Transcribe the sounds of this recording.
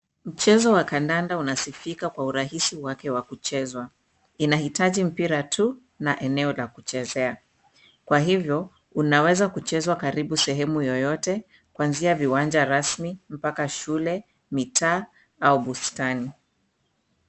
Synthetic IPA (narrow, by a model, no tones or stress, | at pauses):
m̩t͡ʃɛzɔwakandandaunasifikakwauɾahisiwakɛwakut͡ʃɛzwa | inahitaʄim̩piɾatʰu | naʔɛnɛɔlakut͡ʃɛzɛa | kwaɦivjɔ | unawɛzakut͡ʃɛzwakaɾiɓusɛɦɛmujɔjɔtɛ | kwanziaviwand͡ʒaɾasmim̩pakaʃulɛ | mitʰaː | auɓustani